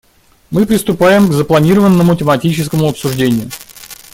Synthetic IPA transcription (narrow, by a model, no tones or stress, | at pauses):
mɨpɾʲɪst̪ʊpajɪmɡzəplˠɐnʲiɾəvənːəmʊtʲɪmɐtʲit͡ɕɪskəmʊɐpsʊʐdʲenʲɪjʊ